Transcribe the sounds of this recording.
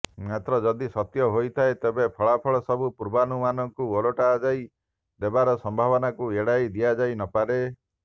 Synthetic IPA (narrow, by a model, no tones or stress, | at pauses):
mat̪ɾɔd͡ʒɔd̪isɔt̪jɔɦojt̪ʰaet̪ebepʰɔɭapʰɔɭɔsɔbupuɾbanumanɔŋkuoloʈaːd͡ʒaj | d̪ebaɾɔsɔmbʱaβɔnakueɽajd̪iad͡ʒajnɔpaɾe